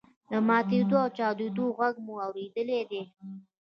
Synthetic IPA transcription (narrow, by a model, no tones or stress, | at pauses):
d̪əmɑt̪ed̪oawt͡ʃɑwd̪ed̪oɣaɡmuawɾed̪əled̪e